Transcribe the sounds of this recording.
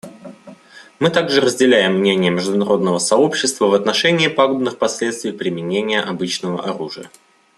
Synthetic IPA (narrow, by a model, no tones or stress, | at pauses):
mɨt̪aɡʐɨɾəzʲdʲɪlʲæjɪmːnʲenʲɪjəmʲɪʐd̪ʊnɐɾo̞d̪nəvəsɐo̞pɕːɪst̪vəvɐt̪nɐʂɛnʲɪːpaɡʊbnɨxpɐsʲlʲet̪st̪vʲɪjpɾʲɪmʲɪnʲenʲɪjəʔɐbɨt͡ɕnəvə̰ʔɐɾuʐɨjə̰